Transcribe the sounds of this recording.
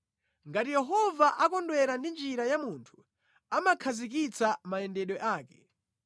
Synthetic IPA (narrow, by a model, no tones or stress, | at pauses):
ŋɡatijɛɦɔvaʔakɔndwɛɾandind͡ʒiɾajamuntʰu̥ | amakʰazikit͡samaɛndɛɗwɔʔaːkɛ